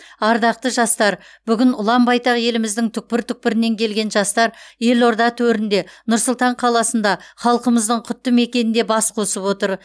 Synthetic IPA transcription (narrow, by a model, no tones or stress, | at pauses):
ɑɾd̪ɑq̚t̪əʒɑst̪ɑɾ | b̥ʏɡʲɪnʊlˠɑmbɑjt̪ɑqje̞lɪmɪzd̪ɪŋt̪ʰʏk̚pɪɾt̪ʰʏk̚pɪɾɪne̞ŋkʲʰe̞lɡʲe̞nʒɑst̪ɑɾje̞lo̞ɾd̪ɑt̪ʰɵɾɪnd̪e̞nʊɾsʊlˠt̪ɑɴqʰɑlˠɑsənd̪ɑχɑlˠqəməzd̪əɴqʰʏt̪ːəme̞kʲe̞nɪnd̪e̞bɑsqʰo̞səpwo̞t̪əɾ